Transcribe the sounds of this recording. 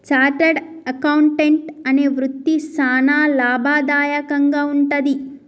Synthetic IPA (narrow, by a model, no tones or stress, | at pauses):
t͡ʃaːɾʈɐɖ | ɐkɐwuɳʈeɳʈɐneːʋɾut̪ːisaːnaːlaːbʱaːd̪aːjɐkɐŋɡaːuɳʈɐd̪i